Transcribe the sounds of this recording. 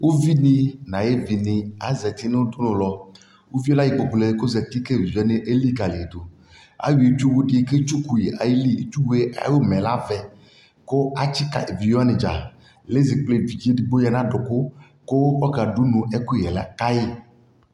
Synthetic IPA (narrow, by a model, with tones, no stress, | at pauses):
wʔo˦vi˦nĩ˦nã˨je˦vi˨nĩ˨a˨zɛ˨t̪i˦ne˦wo˦d̪o˦nʊ̃˨lɔ˨ | wo˦vi˦o˦la˦ji˨k͡pɔ˨ɡ͡ble˨˦ko˦zɛ˨t̪i˦ke˦˨vi˨ja˦ne˦ʔe˦li˦ɡa˨le˨d̪o˨ | a̰˦wi˨e˦t͡ʃu˦wu˦ɖi˨˦ke˦t͡ʃu˦ku˨ji˨ʔa˨ji˦li˦e˦t͡ʃu˦wu˦e˦ʔa̰˨jo˦mɛ̃˨la˦vɛ˨ | ko˦a˨t͡ʃi˦ka̰˨ʔe˨vi˨jɔ˦a˦nẽ˨d͡ʒa̰˨ | le˦zi˨k͡ple˨vi˨d͡ʒi˦e˦di˨ɡ͡bo˦ja˦nã˦ɖɔ˨ko˦ | ko˦wkɔ˦ka˨ɖu˦nũ˨ʔɛ˦ko˦˨ɛ˨la̰˦ka˦je˦